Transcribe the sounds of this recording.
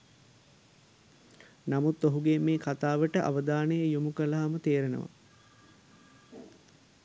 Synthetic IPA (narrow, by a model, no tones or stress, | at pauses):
namut̪ːoɦuɡemeːkat̪aːʋəʈəʔa̰ʋəd̪aːnəjəjumukəlaɦamət̪eːɾenə̰ʋa̰